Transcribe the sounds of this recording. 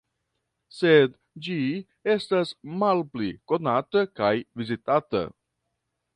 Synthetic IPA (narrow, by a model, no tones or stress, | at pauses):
se̞d | d͡ʒi | e̞stasmalpliko̞natəkajvizitata̰